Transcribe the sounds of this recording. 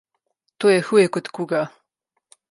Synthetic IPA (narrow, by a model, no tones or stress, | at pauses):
t̪oːjɛxuːjɛkɔt̪kuɡa